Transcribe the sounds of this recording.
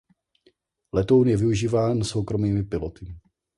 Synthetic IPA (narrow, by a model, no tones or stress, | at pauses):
lɛt̪o̞wnjɛvɪuʒiːvaːnso̞wkɾo̞miːmɪpɪlot̪ɪ